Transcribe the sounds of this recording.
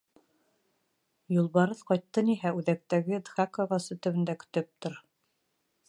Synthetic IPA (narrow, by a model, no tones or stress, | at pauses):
julˠβɑɾɤðqɑjt̪ːɤniɦæʉðæk̚t̪æɡɘd̪ʁakoʁɑsɤt̪ɵ̆βɘ̆nd̪ækɵ̥̆t̪ɵp̚t̪oɾ